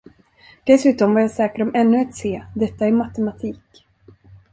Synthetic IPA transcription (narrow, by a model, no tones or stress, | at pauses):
d̪̥ɛsʉ̟ːt̪ɔmvaɾjasɛːkaɾɔmʔɛnːɵat̪seːd̪ɛt̪ːaɛɾmat̪ɛmat̪ʰiːk